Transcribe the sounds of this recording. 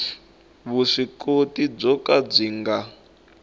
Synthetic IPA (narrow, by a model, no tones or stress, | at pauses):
βuʂikotib͡ʐɔkad͡ziŋɡa